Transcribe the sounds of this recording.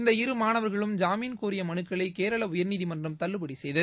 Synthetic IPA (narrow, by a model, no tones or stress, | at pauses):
ɪnd̪ɐɪɾɯmaːnɐʋɐɾɣɐɭɯmd͡ʒaːmiːnkuːɾɪjɐmɐɳɯkːɐɭɐɪkeːɾɐɭɐʊjɐɾniːðimɐndrɯmt̪ɐɭːɯpɐɽisɛjðɐð